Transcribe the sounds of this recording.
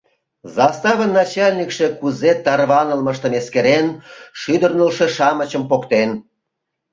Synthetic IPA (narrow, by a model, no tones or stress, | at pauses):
zɑst̪ɑβənːɑt͡ɕɑlʲnʲikʃe̽kuzet̪ɑrβɑnəlməʃt̪ə̆meskeɾenʃyd̪ərnəlʃeʃɑmət͡ɕəmpokt̪en